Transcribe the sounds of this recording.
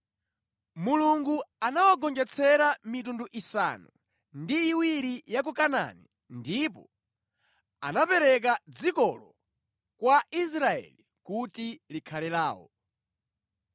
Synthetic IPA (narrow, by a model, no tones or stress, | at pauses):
muluŋɡuanawaɡɔnd͡ʒɛt͡sʰɛɾamitunduʔisa̰nu | ndiːwiɾijak̬ukana̰ni | ndipɔ | anapɛɾɛk̬ad͡zikɔlɔ | kwaʔis̬ɾaɛ̰li | kutilikʰalɛlaːwɔ̰